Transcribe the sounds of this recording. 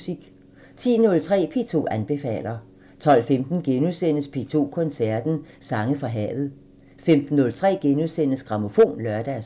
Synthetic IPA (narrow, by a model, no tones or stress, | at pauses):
siɡ̥ | t͡sʰḭːnɔ̽lt͡sʰʁɛ̰ːpʰe̝ːt͡sʰo̝̰ːænb̥e̝fɛ̰ːlɐ | t͡sʰɒ̽l̰femd̥n̩ɡ̥enuðˠsen̰əspʰe̝t͡sʰo̝̰ːkʰɔ̽nsæɐd̥n̩sɑ̈ŋəfʁɑ̈ɦɛ̰ːʋð̞̩ˠ | femd̥n̩ːɔ̽lt͡sʰʁɛ̰ːɡ̥enuðˠsen̰əsɡ̥ʁɑ̈mo̝fo̝̰ːnlɶɐd̥æs